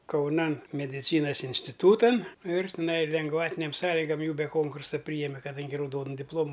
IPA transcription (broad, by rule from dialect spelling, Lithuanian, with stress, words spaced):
kɐʊˈnɐn mʲɛdʲˈɪt͡sʲiːnɐs ɪnʲsʲtʲɪˈtuːtɐn ɪr tʲɪˈnɐɪ lʲɛŋɡˈʋɑːtʲɪnʲeːm ˈsɑːlʲɪɡɐm ˈjuː bʲɛ ˈkoːŋkʊrsɐ ˈpʲrʲiːjɛmʲɛ kɐˈdɐŋʲɡʲɪ rɐʊˈdoːnʊ dʲɪpˈlˠoːmʊ